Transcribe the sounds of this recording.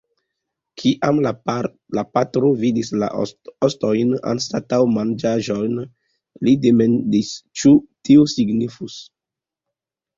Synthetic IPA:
kʰiʔam | lapatɾovidisla̰osto̞jna̰nstatawmand͡ʒaʒo̞jn | lidemendist͡ʃutiusiɡnifus

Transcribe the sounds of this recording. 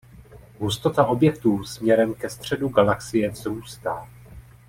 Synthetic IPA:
ɦust̪o̞t̪aʔo̞bjɛk̚t̪uːsmɲɛɾɛmkɛst̪r̝̥ɛduɡalaksɪjɛzɾuːst̪aː

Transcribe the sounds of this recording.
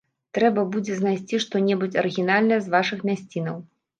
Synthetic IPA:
t̪ɾɛbɐbud͡zʲɛznajsʲt͡sʲiʂt̪ɔnʲɛbut͡sʲɐɾɨɣʲinalʲnɐjɐzvaʂɨxmʲasʲt͡sʲinɐw

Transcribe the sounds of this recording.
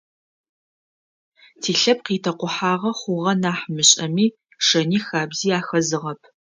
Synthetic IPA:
tʰiːɬɐp̚qiːtʰɐqʷʊħaːʁɐχʷʊʁɐnaːħmɨɕʼɐmiː | ʂɐniːxaːbziːaːxɐzɨʁɐpʰ

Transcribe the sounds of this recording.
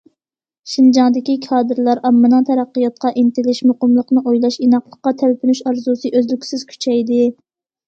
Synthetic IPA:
ʃind͡ʒɑŋd̪ɪkʲikʰɑːd̪ɨɾlˠɑɾɑmːɨnɨŋt̪ʰæɾæqːɨjɑt̪̚qɑʔint̪ɪlɪʃmʊqəmlˠəqnɨʔojlˠɑʃinɑqlˠəqːɑt̪ʰælpʰynyʃɑɾzusɨʔøzlykʲʰsɪz̥kʲʰy̥t͡ʃʰɛjd̪ɪ

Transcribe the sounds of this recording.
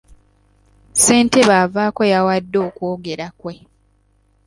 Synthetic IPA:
se̞ːnte̞βaːvaːko̞jawadːo̞ːkoːɡe̞ɾakwe̞

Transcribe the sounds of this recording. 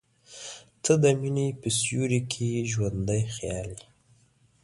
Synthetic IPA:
t̪ʰəd̪əminipisjuɾikʰiʒwand̪əjxjɑli

